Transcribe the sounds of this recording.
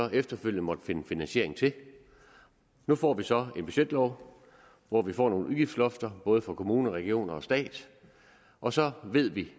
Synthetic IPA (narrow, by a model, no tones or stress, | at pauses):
ɒ̽ʔefd̥ɐføl̰jən̩mɒ̽d̥fe̝nəfinænɕe̝ɐ̰e̝ŋ̩t͡sʰe̝ | nufɒ̰ːʋisɒ̽e̝nb̥y̥ɕed̥lɒʊ | ʋɒʋifɒ̰ːno̝ːn̩ʔuðˠɡ̥ifd̥slɔ̽fd̥ɐb̥ɔ̽ːð̞ˠəfɑ̈kʰo̝muːnəʁɛɡ̥io̝̰ːnɐɒ̽sd̥ɛ̰ːd̥ | ʔɒ̽sɒ̽ʋe̝ð̞̰ˠʋi